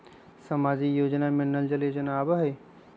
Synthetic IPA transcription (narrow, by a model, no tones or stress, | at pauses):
sɐmaːd͡ʒijoːd͡ʒnamɪnːəld͡ʒəleːd͡ʒənaːbaɦe